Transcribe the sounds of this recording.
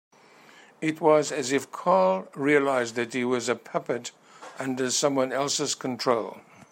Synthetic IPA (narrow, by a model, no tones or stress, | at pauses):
ɪt̚wʌzɨzɨfkʰɑlˠɹiɨlaɪzðɨt̚hiwʌzɨpʰɛpɨɾ | ʔʌ̃ndə̥˞sʌ̃mwʌ̃nɛlˠsɨz̥kʰn̩tʰɹ̥oʊlˠ